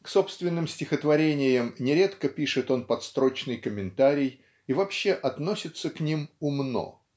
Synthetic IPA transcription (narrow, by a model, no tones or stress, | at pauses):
kso̞pst̪vʲɪnːɨmsʲtʲɪxət̪vɐɾʲenʲɪjəmnʲɪɾʲe̞t̪kəpʲiʂɨt̪o̞npɐt̪st̪ɾo̞t͡ɕnɨjkəmʲɪnt̪aɾʲɪj | ɪvɐpɕːe̞ʔɐt̪no̞sʲɪt̪səknʲimʊmno̞̰